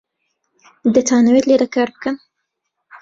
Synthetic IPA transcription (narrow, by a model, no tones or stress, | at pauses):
d̪ɐt̪ʰaːnəwet̪led̪ɐkaːɾbɨkən